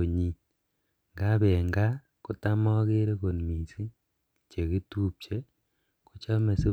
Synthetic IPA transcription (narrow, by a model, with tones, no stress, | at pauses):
o˨ɲi˨ | ŋɡa˦βe˨ŋɡa˦ | ku˨ta˦mɔ˦ke˦ɾe˦ko˨nmi˨si˦ | t͡ʃe˨ki˦tu˦p̚t͡ʃe˦ | ku˦t͡ʃa˦me˨si˦